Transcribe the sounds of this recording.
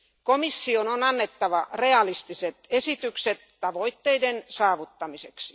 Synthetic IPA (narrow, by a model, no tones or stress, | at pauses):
komisːiononɑnːet̪ːɑʋɑreɑlist̪iset̪esit̪ykset̪ːɑʋoit̪ːeidensɑːʋut̪ːɑmiseksi̥